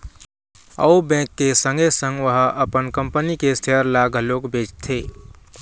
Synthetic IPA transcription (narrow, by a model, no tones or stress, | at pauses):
ə̰ubɛ̃kːesə̃ŋɡesə̃ŋɡʋəɦəʔəpənkəmpənikest̪ʰijəɾlaɡəlokbet͡ʃt̪ʰe